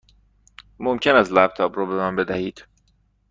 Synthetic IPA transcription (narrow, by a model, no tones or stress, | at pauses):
momcʰenæst̪læp̚t̪ʰɒːbɾɔːbemæmbe̞d̪æhiːd̪̥